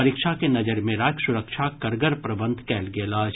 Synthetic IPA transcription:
ɐɾikʃakenɐd͡ʒəɾmẽɾaːsʊɾəkʃʰakɐɾɡəɾpɾɐbə̃nd̪ʱkɛːlɡeːlaːd͡ʒ

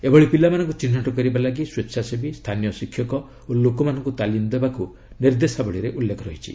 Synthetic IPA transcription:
ebɔɭipilamanɔŋkut͡ʃinːaʈɔkɔɾibalaɡiswetːsʃʰasebist̪ʰanijɔsikʰːjɔkɔ | olokɔmanɔŋkut̪alind̪ebaku | niɾd̪esabɔɭiɾeʔulːekʰɔɾɔɦit͡ʃʰḭ

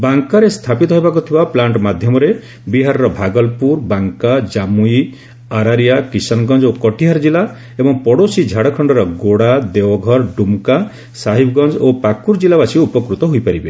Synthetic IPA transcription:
baŋkaɾest̪ʰapit̪ɔɦejbakut̪ʰibaplaɳʈmad̪ʱjɔmɔɾe | biɦaɾɔɾɔbʱaɡɔlpuɾbaŋkad͡ʒamui | aɾaɾijakisɔnɡɔnd͡ʒokɔʈiɦaɾd͡ʒilːa | ebɔŋpɔɽosid͡ʒʱaɽɔkʰɔɳɖɔɾɔɡoɽad̪ewɔɡʱɔɾɖumka | saɦibɔɡɔnd͡ʒopakuɾd͡ʒilabasiupɔkɾut̪ɔɦujpaɾibe

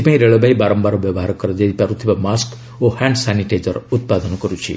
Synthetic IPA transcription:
ipaĩɾeɭɔbaibaɾɔmbaɾobjʌbɔɦaɾɔkːʌɾʌd͡ʒ̪ed̪ipaɾut̪ʰipamask | ohaɳɖsaniʈejd͡ʒʌɾut̪̚pad̪ʱʌnkʌɾut͡sʰḭ

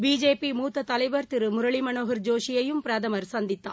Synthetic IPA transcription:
biːd͡ʒeːpimuːt̪ːɐt̪ɐlɐɪʋɐɾt̪ɪɾɯmʊɾɐɭɪmɐnoːɣɐɾd͡ʒoːʂɪjɐjɯmpɾɐðɐmɐɾsɐnd̪ɪt̪ːa̰ː

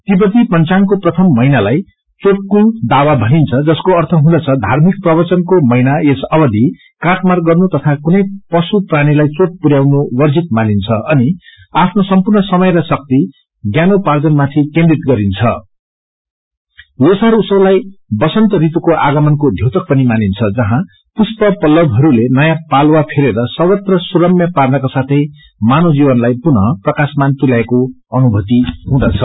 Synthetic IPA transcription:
t̪ibʌt̪ipʌnt͡saŋkoprʌt̪ʰʌmːʌjnalaj | t͡soʈ̚kund̪awabʱʌɦint͡sʰʌd͡zʌskoʌrt̪ʰʌɦũd̪ʌt͡sʰʌd̪ʱarmik̚prʌbʌt͡sʌnkomʌjnaesʌbʌd̪i | kaʈmarɡʌrnut̪ʌt̪ʰakunʌjpʌsupraɽ̃ilajt͡soʈ̚puɾjawnowʌrd͡zit̪̚manint͡sʰʌʌni | apʰnosʌmpurnʌsʌmʌjɾʌsʌk̚t̪i | ɡjanopard͡zʌnmat̪ʰikend̪rit̪ɡʌɾint͡sʰʌ | osaɾusʌwlajbʌsʌnt̪ʌɾit̪ukoʔaɡʌmʌnkod̪ʱjot̪ʌk̚pʌnimanint͡sʰʌd͡zʌɦã | puspʌpʌlʌbɦʌɾulenʌjãpalwapʰeɾeɾʌsʌbʌt̪rʌsuɾʌmjʌparnʌkasat̪ʰʌj | manod͡zibʌnlajpunʌprʌkasmant̪ulaeko | ʌnubʱʌt̪iɦũd̪ʌt͡sʰʌ

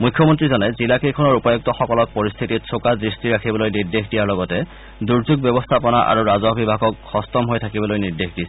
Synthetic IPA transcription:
mujkʰːjɔmɔntɹizɔnɛzilakejkʰɔnɔɹupajɔk̚tɔxɔkɔlɔk̚pɔɹist̪ʰitit̚sʰokadɹistiɹakʰibɔlojniɹdexdijaɹlɔɡɔtɛ | duɹzuɡ̚bɛbɔstʰapɔnaʔa̰ɹuɹazɔbibʱaɡɔkxɔstɔmɦojtʰakibɔlojniɹdexdis

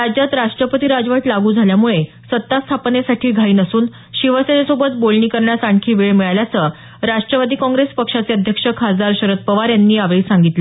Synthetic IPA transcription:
ɾad͡ʑjat̪ɾaʂʈɾəpət̪iːɾad͡zʋəʈlaɡuːd͡zʱaljamuɭe | sət̪ːast̪ʰapnesaʈʰiːɡʱaiːnəsuːn | ɕiʋəsenesobət̪bolɳiːkəɾɳjasaɳkʰiːʋeɭmiɭaljat͡sə | ɾaʂʈɾəʋad̪iːkɔ̃ŋɡɾespəkʂat͡seəd̪ʱjəkʂəkʰad͡zaɾɕəɾət̪̚pəʋaɾjanːiːaʋɭiːsaŋɡit̪lə

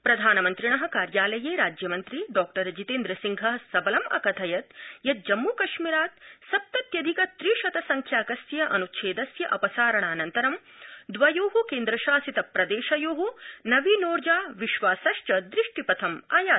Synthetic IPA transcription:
pɾɐd̪ʱaːnɐmɐnt̪ɾiɳɐɦɐ̆kaːɾjaːlɐjeːɾaːd͡ʒjɐmɐnt̪ɾiɖɔːk̚ʈɐɾɐd͡ʒit̪eːnd̪ɾɐsiŋɡʱɐsɐbɐlɐmɐ̰kɐt̪ʰɐjɐt̪̚jɐt̪̚d͡ʒɐmːuːkɐʃmiɾaːt̪̚sɐp̚t̪ɐt̪jɐd̪ʱikɐt̪ɾiːʃɐt̪ɐsɐŋkʰjaːkɐsjɐʔɐnutʃʰeːd̪ɐsjɐʔɐpɐsaːɾɐɳaːnɐnt̪ɐɾɐm | d̪ʋɐjoːɦukeːnd̪ɾɐʃaːsit̪ɐpɾɐd̪eːʃɐjoːɦunɐʋinoːɾd͡ʒaːʋiʃʋaːsɐʂt͡ʃɐd̪ɾiʂʈipɐt̪ʰɐmaːjaː

